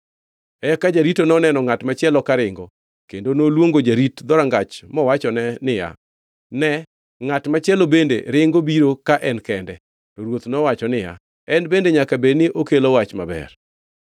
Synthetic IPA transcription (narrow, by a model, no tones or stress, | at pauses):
ɛkad͡ʒaɾitonɔnɛnɔŋatmat͡ʃɪɛlɔkaɾɪŋɡɔ | kendonolwoŋɡod͡ʒaɾitd̪ɔɾaŋɡat͡ʃmɔwat͡ʃɔnɛnɪja̰ | nɛ | ŋatmat͡ʃɪɛlobendḛɾɪŋɡobiɾokaʔɛnkɛndɛ | toɾwot̪nɔwat͡ʃɔnɪja̰ | ɛnbendeɲakabenɪʔokelɔwat͡ʃmabɛ̰r